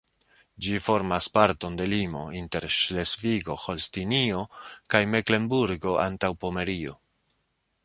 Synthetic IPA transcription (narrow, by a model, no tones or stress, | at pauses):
d͡ʒifo̞ɾmaspaɾto̞nde̞limo̞̰inte̞ɾʃle̞sviɡo̞xo̞lstinio̞kajme̞kle̞mbuɾɡo̞ʔa̰ntawpo̞me̞ɾio̰